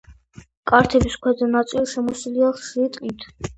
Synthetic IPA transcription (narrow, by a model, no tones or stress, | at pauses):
kʼaɾt̪ʰɛbiskʰwɛd̪anat̪sʼilˠʃɛmɔsiliaʃɾit̪ʼqʼit̪ʰ